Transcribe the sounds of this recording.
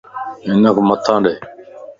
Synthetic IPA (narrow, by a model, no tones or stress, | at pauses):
ɦɪnəkʰomət̪ʰːãːɗeː